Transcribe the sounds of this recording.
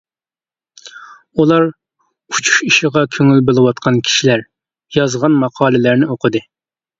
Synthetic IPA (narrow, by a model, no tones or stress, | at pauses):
ulˠɑɾ | ut͡ʃʰu̥ʃiʃɪʁɑkʲʰøŋylbelˠɨwɑt̪̚qʰɑnkʲʰi̥ʃilæɾ | jɑzʁɑnmɑqʰɑːlˠɪlæɾnɪoqʰəd̪ɨ